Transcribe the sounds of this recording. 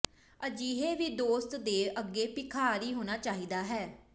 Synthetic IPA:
əd͡ʒiːɦeːʋiːd̪oːst̪d̪eːʔəɡːeːpɪkʰaːɾiːɦoːñaːt͡ʃaːɦiːd̪aːɦɛː

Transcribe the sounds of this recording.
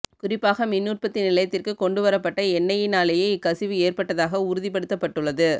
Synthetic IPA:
kʊrɪpːaːɣɐmɪnːuːrpɐt̪ːinɪlɐjɐt̪ːɪrkɯkɔɳɖɯʋɐɾɐpːɐʈːɐɛnːɐjɪnaːlɐjɐɪɪkːɐsɪʋɯeːrpɐʈːɐðaːɣɐʊɾɯðɪp̬ɐɽɯt̪ːɐpːɐʈːɯɭːɐðɯ

